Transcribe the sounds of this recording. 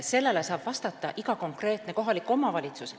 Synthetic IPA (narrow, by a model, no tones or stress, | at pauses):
se̞lːe̞le̞sɑːb̥vɑst̪ɑt̪ˑːɑʔiɡɑko̞ŋkre̞ːt̪ne̞ko̞ɦɑlikːˑo̞mɑvɑlʲit̪sus